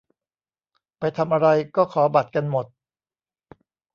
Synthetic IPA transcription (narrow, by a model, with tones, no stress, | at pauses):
pa˧jt̪ʰa˧mʔa˧ɾa˧jkɔː˥˩kʰɔː˩˦ba˨˩t̪̚ka˧nmo˨˩t̪̚